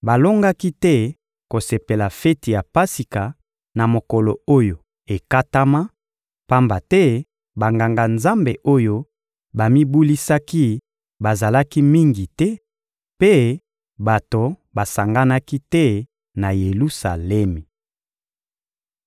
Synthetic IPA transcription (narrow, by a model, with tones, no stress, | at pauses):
ba˨lo˦ŋɡa˦ki˦tɛ˦ | ko˨se˨pe˨la˨fɛ˦ti˨ja˨pa˦si˨ka˨ | na˨mo˨kɔ˨lo˨o˦jo˨ | e˨ka˦ta˦ma˦ | pa˦mba˨tɛ˦ | ba˨ŋɡa˨ŋɡa˨nza˦mbe˨ʔo˦jo˦ | ba˨mi˦bu˦li˦sa˦ki˦ | ba˨za˨la˦ki˦mi˦ŋɡi˨tɛ˦ | pe˦ | ba˨to˨ba˨sa˨ŋɡa˦na˦ki˦tɛ˦ | na˨je˨lu˦sa̰˨lɛ˦mi˨